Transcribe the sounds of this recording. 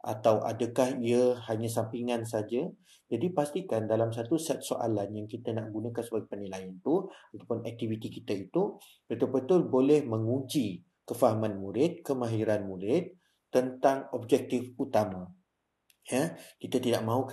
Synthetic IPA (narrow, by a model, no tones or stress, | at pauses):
ʔa̰t̪awʔa̰dəkahiəhaɲãsampiŋans̬ad͡ʒə | d͡ʒadipast̪ikandalamsat̪usɛt̪̚soʔa̰lanjaŋkit̪ənaʔɡunə̃kansəbaɡepərnilajant̪uat̪apʊnɛk̚t̪ivit̪ikit̪ait̪u | b̥ət̪ʊlbət̪ʊlbolɛhmə̃ŋũɲd͡ʒi | kəfaɦamãnmũɾɪt̪̚kəmãɦiɾanmũɾɪt̪̚ː | ənt̪aŋɔb̚d͡ʒɛk̚t̪ɪfut̪amã | jakit̪ət̪idaʔ̚mãɦuk